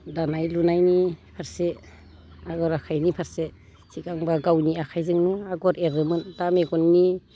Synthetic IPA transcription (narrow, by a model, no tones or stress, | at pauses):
danajlunajnipʰaɾse | aɡɔɾakʰajnipʰaɾse | sikaŋbaɡawniakʰajzɯŋnɔaɡɔɾeɾɯmɯndameɡɔnːi